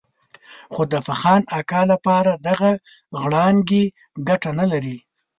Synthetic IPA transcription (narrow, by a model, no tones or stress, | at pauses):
xod̪əfaxɑnakɑlapɑɾad̪aɣa | ɣɽɑnɡe | ɡaʈanalaɾi